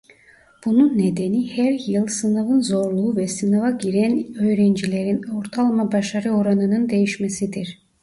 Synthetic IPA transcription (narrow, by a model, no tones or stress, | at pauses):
b̥ununːed̪enihæɾjɯlˠsɯnavɯnzo̞ɾlˠuuvɛsɯnavaɟiɾænø̞jɾɛnd͡ʒilʲeɾino̞ɾt̪ʰɑlˠmabɑʃɑɾɯo̞ɾɑnɯnɯnd̪ejiʃmesid̪iɾ